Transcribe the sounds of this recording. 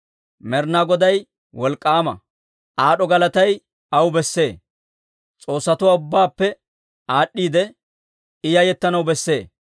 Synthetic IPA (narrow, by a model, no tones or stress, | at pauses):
mɛɾnaɡɔd̪ɐj | wɔlkʼːaːmɐ̰ | ʔaːɗɔɡɐlɐt̪ɐj | ɐwbɛsːe̞ː | t͡sʼo̞ːsːɐt̪ʊwaːʊbːaːpːɛ | aːɗːiːd̪ɛ | ɪjɐjɛt̪ːɐnɐwbɛsːe̞ː